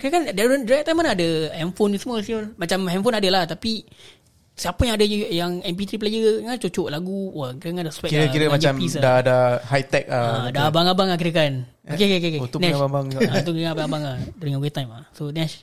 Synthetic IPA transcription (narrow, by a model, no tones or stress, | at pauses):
kiɾəkandaɾəŋdɾat̪ajmːanaadəɛmfonsəmuəsiomat͡ʃamhɛmfonadalat̪api | siapəjãŋadajaŋɛmp̬it̪ɾip̬lajəŋant͡ʃot͡ʃoʔlaɡuwakiɾəŋadaswɛkɾəkiɾəmat͡ʃampis̬adadahajt̪ɛk̚aadabaŋabaŋak̬iɾəkan | okekekekeuʊnɛababaŋat̪ukɾabaŋabaŋahduɾiŋawet̪ajmasonɛʃ